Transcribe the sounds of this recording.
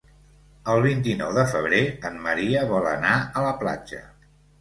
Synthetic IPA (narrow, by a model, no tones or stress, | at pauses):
əlˠβ̞int̪inɔwðəfəβ̞ɾeənməɾiəβɔlə̰naələpla̰d͡ʒə̰